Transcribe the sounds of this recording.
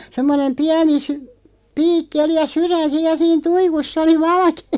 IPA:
semːonem piæni sy piːkːi oli jɑ syræn̞ siːj̆ jɑ siːn tuikusː oli ʋɑlɑ̆keː

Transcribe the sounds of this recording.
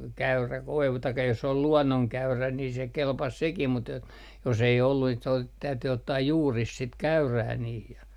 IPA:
kæyræ koiʋu tɑikːɑ jos ol luɔnːoŋkæyræ ni se kelpɑs sekim mut et jos ei olːu siːt se ot tæyty otːɑː juːris sit kæyræː niːh jɑ

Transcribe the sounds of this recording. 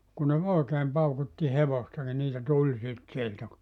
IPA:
kun ne oˑekeːm pɑukutːi heʋostɑ ni niːtæ tulʲ sit sieltæ ku

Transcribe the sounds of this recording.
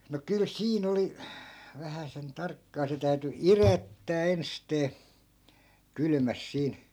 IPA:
no kyl siːn oli ʋæhæsen tɑrkːɑː se tæyty irætːæː ensteː kylmæs siːn̞

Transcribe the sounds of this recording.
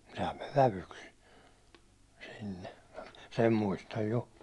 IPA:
sehæm meʋ ʋæʋyks sinːe sen muistɑj jo

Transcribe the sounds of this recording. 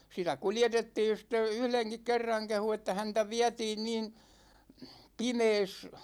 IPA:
sitæ kuljetetːiːn̞ sitːe yhleŋkik kerːɑŋ kehu etːæ hæntæ ʋiætiːn niːn pimeːs

